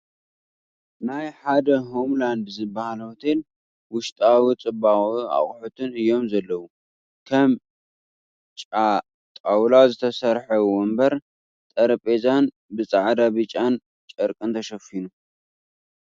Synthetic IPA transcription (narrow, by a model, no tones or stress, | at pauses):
najħad̪ɐɦomland̪zɨbːahalɐwt̪ʰel | wʊʃt̪ʼawit͡sʼɨbaia̰χʼħut̪ʰɨnɨjːo̞mzɐlːɐwu | kʰɐm | t͡ʃʼa | t̪ʼawlazɨt̪ʰɐsɐɾħɐwɔmbɐɾ | t̪ʼɐɾpʼezan | bɨt͡sʼaʕd̪abɨt͡ʃʼan | t͡ʃʼɐɾkʼɨnt̪ʰɐʃɐfinu